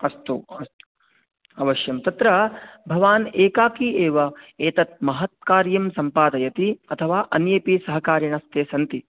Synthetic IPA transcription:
ɐst̪uɐst̪u̥ | ɐʋɐʃjɐmt̪ɐt̪ɾɐbʱɐʋaːneːkaːkieːʋɐeːt̪ɐt̪̚mɐɦɐt̪̚kaːɾjɐmsɐmpaːd̪ɐjɐt̪iɐt̪ʰɐʋaːʔɐnjeːpisɐɦɐkaːɾjɐɳɐst̪eːsɐnt̪i

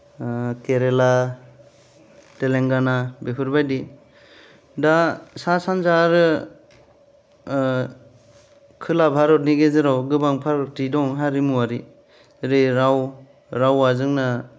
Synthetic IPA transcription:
keɾela | teleŋɡanabepʰɯɾbajdi | dasasanzaɾɯ | kʰɯlabʱaɾɔt̚niɡezɯɾawɡɯbaŋpʰaɾɔtidɔŋɦaɾimuwaɾi | ɾeɾaw | ɾawazɯŋna

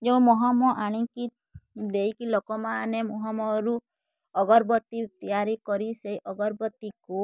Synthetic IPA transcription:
d͡ʒeũmɔɦɔmɔʔaɽ̃iki | d̪ejkilɔkɔmanemɔɦɔmɔɾu | ɔɡɔɾbɔt̪ːit̪ijaɾikɔɾisejʔɔɡɔɾbɔt̪iku

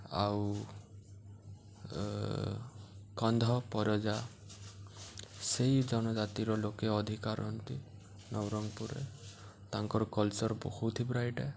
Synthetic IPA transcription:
a̰w | kɔnd̪ʱɔpɔɾjɔd͡ʒa | sejd͡ʒɔnɔd͡ʒat̪iɾɔlokeɔd̪ʱikaɾɔnt̪i | nɔwɾɔŋpuɾḛ | t̪aŋkɔɾɔkɔlt͡ʃɔɾbo̰kʰuwt̪ʰibɾajʈe

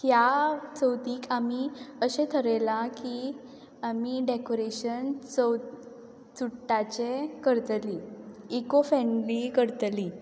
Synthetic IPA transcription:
hjat͡səwt̪iːkʰamiəɕẽt̪ʰəɾəlaki | amiɖekoɾeɕənt͡səw | t͡suʈːat͡ɕekəɾt̪liekofɛ̃nlikəɾt̪li

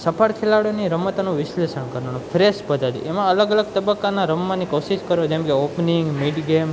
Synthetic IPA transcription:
səpʰaɽkʰelaɽjoniɾəmət̪anoʋɪslesənkəɾonofʰɾeʃpəd̪ʱad̪ḭʔemãələɡələɡ̚t̪əbəkːanaɾəmːãnikoʃid͡ʒkəɾod͡ʒɛ̃mkeopniŋɡmiʈɡem

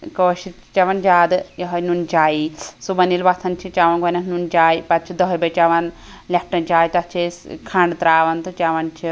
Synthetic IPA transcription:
koːʃi | t͡ʃɐʋɐnd͡ʒaːd̪ɨjɐɦɐjnunt͡ʃaːjisubɐnilʋɐt̪ʰɐnt͡ʃʰit͡ʃaʋɐnkɐnɐknunt͡ʃaːjipɐt̪̚t͡ʃʰid̪ɐɦɐjbɐjt͡ʃɐʋɐn | lʲɐp̚ʰʈɐnt͡ʃaːjit̪ɐt̪t͡ʃʰeskʰɐɳɖɨt̪ɾaːʋɐnt̪ɨt͡ʃɐʋɐnt͡ʃʰi

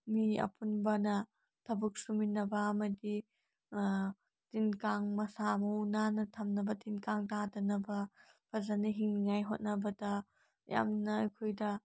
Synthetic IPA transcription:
miɐ̰pʰunbɐnɐ | tʰɐbuk̚suminɐbɐːmɐdi | tinkaŋmɐsamɐunanɐtʰɐmnɐbɐtinkaŋtadɐnɐbɐpʰɐzaniɦiŋŋajɦo̰t̚nɐbɐdɐ | ja̰mnɐɐ̰jkʰojdɐ

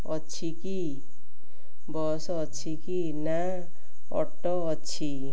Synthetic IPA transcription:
ʌt͡ʃʰiki | bɔsːt͡ʃʰiki | na | ɔ̰ʈːɔːt͡sʰi

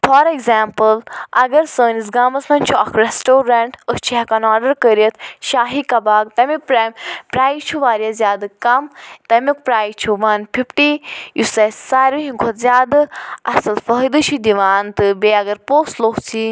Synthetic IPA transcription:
fʰɔːɾeɡzaːmpɨlɐɡɐɾsəːnis̬ɡaːmɐsmɐnʲt͡ʃʰuɐkʰɾesʈoːɾɐɳʈəst͡ʃʰikɐnaːɖəɾkəɾiət̪ʃaːɦikɐbaːɡt̪ɐmipɾampɾaːjt͡ʃʰuʋaːɾijɐzʲjaːd̪ɨkɐmt̪ɐmʲik̚pɾaːjt͡ʃʰuʋɐnpʰipʈijʔusɐssaːɾuɦĩŋkʰot̪zʲjaːd̪ɨʔɐsɨlfəɦd̪ɨt͡ʃʰid̪iʋaːnt̪ɨbeɐɡɐɾpoːslokt͡sʰi

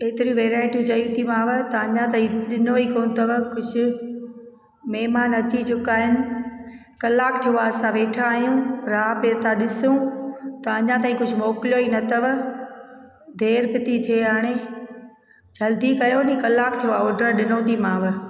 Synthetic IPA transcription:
eːt̪ɪɾiʋeːɾaːɪʈijũd͡ʑɐjũt̪ʰimãːʋt̪ɐɐɲãt̪aːĩɗɪnoikoːnt̪ɐʋkʊd͡ʑʱʊ | mɛːmaːnɐt͡ɕid͡ʑʊkaːɦɪnɪ̆ | kɐlːaːkt̪ʰijoaːsãʋeːʈʰaːɦjũɾaːpeːt̪aɗɪsũt̪ɐɐɲãt̪̬aːĩkʊd͡ʑʱʊmoːkljoinɐt̪ɐʋ | d̪ʱeːɾpɪt̪it̪ʰieaːɽ̃e | d͡ʑɐld̪ikɐjonĩkɐlːaːkt̪ʰijoaːoːɖəɾɗɪnõːt̪imãːʋ̆

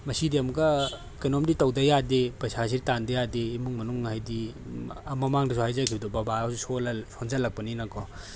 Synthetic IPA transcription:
mɐsidiɐmɡɐ | kɐjnɔmditɐwdɐjadepɾɐjsas̬iɾitandɐjadeːmuŋmɐnuŋhajdi | ɐmɐmaŋdisuhajzakʰibdɔbɐbasusolɐsonzɐlːɐk̚pɐninɐkʰɔ

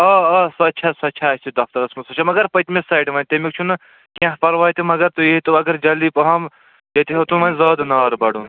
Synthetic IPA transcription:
ɐɐsɐt̪ːt͡ʃʰasɐt͡ʃʰaɐsʲt̪ʰid̪ɐft̪ɐɾɐsmɐsɐt͡ʃʰamɐɡɐɾpɐt̪mʲesaːjɖʋɐːnʲt̪emikt͡ʃʰunɨ | kʲãɦpɐɾʋaːjt̪imɐɡɐɾt̪uiɦt̪uɐɡɐɾd͡ʒɐlipɐɦɐm | d͡ʒɐt̪iɦɐt̪unʋɐnʲzɐːd̪naːɾbɐɽun

